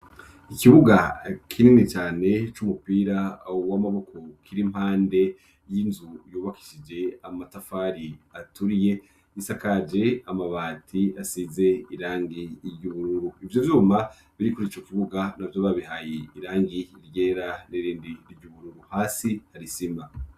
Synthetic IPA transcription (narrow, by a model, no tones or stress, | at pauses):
ikiβuɡakʰininit͡ʃaːne̞t͡ʃumupiːɾawamaβo̞ko̞kʰiɾim̥haːnde̞ | jinzujuːβaki̥ʃid͡ʒe̞amatafaːɾiatuɾije̞ | jisakad͡ʒe̞amaβaːtʰiasize̞iɾaːŋɡiɾɟuβuɾuɾuivjovjuːma | βiɾikuɾit͡ʃokiβuɡanavjoβaβiɦajeiɾaːŋɡiɾɟeːɾaniɾiːndiɾiɟuβuɾuɾuhaːsihaɾisima